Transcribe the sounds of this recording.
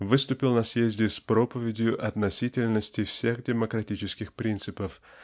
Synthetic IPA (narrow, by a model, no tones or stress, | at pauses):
vɨst̪ʊpʲɪlˠnɐsjezʲdʲɪspɾo̞pəvʲɪdʲjʊʔɐt̪nɐsʲitʲɪlʲnəsʲtʲɪfsʲe̞xdʲɪməkɾɐtʲit͡ɕɪskʲɪxpɾʲint̪sɨpəf